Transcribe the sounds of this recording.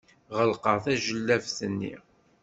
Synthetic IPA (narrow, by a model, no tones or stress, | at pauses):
ʁəlqəθæʒəlːævθənːḭ